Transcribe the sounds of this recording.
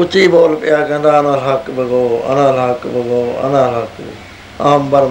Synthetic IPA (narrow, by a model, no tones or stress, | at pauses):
ʊt͡ʃiːboːlpɪjaːkə̃nd̪aːnãːlakbəɡoːɐ̰nãːlakbəɡoːa̰nãːlak | aːmbɐɾ